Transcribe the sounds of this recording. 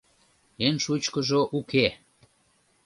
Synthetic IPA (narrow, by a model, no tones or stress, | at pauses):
enʃut͡ɕkəʒoʔukʰe